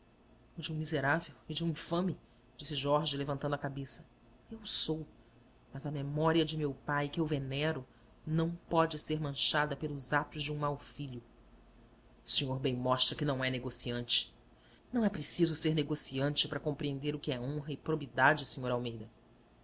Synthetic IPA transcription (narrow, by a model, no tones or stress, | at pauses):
ʊd͡ʒũmizeɾavewɪd͡ʒɪũĩfɐ̃mɪ | d͡ʒisɪʒɔɾʒɪlevɐ̃nt̪ɐ̃nd̪ʊɐkabesɐ̥ | ewsow | mɐzɐmemɔɾiɐd͡ʒɪmewpajkɪewvenɛɾʊ | nɐ̃w̃pɔd͡ʒɪseɾmɐ̃ʃad̪ɐpelˠʊzat̪ʊzd͡ʒɪũmawfiʎʊ | siɲoɾbẽj̃mɔʃt̪ɾɐkɪnɐ̃w̃ɛneɡosiɐ̃nt͡ʃɪ̥ | nɐ̃w̃ɛpɾesizʊseɾneɡosiɐ̃nt͡ʃɪpaɾɐkõpɾiẽnd̪eɾʊkɪɛõɦɐɪpɾobid̪ad͡ʒɪsĩɲoɾawmejd̪ɐ